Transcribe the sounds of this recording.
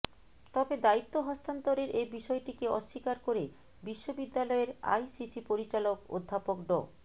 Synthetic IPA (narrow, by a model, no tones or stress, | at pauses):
t̪ɔbed̪ait̪ːoɦɔst̪ant̪oɾeɾʔebiʃɔeʈikeɔʃːikaɾkoɾe | biʃːobid̪ːalɔeɾa̰jsisipoɾit͡ɕaloko̰d̪ʱːapokɖɔ̰